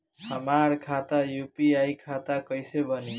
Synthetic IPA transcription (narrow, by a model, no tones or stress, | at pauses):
hamaɾkʰat̪ajupiajkʰat̪akʌjsebʱʌni